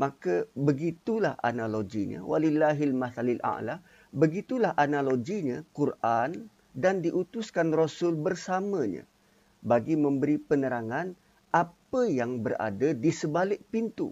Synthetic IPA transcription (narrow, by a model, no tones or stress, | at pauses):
mãkəbəɡit̪ulahʔa̰naloɡiɲã̰wʔa̰lilːaɦilmaθalilʔa̰ʔla | bəɡit̪ulahʔanaloɡiɲãkurʔan | dandiʔut̪uskanrosʊlbərsamə̃ɲã̰ | baɡimə̃mbəɾipənəɾaŋãn | ʔapəjaŋbəra̰dadisəbalɪʔ̚pint̪ṵ